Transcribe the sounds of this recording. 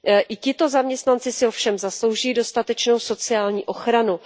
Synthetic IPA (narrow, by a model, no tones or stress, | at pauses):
ʔɪcɪt̪o̞zamɲɛst̪nant͡sɪsɪo̞fʃɛmzaslo̞wʒɪjiːdo̞st̪at̪ɛt͡ʃno̞wso̞t͡sɪaːlɲiːʔo̞xɾanu